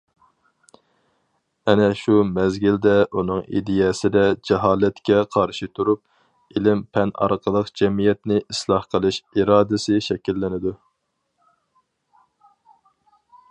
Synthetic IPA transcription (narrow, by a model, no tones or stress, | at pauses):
ɛnɛʃumɛzɡʲild̪ɛʔunɨŋḭd̪ɪjɛsɪd̪ɛd͡ʒɛɦɑːlɛt̪kʲɛqʰɑɾʃit̪ʰuɾup̚ | ilɪmpʰɛnɑ̰ɾqʰəlˠəqd͡ʒɛmijɛt̪nɪʔislˠɑhqʰəlˠɨʃiɾɑːd̪ɪsɪʃɛkʲilːɪnɪd̪u